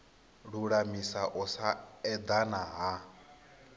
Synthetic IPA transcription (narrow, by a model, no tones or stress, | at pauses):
ɺuɺamisaʔɔsaɛd̪anaɦa